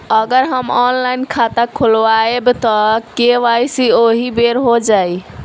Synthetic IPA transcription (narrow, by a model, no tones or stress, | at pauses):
əɡəɾɦəmɔnlainkʰat̪akʰolwaebt̪ɔkeʋajsioɦibeɾɦod͡ʒaj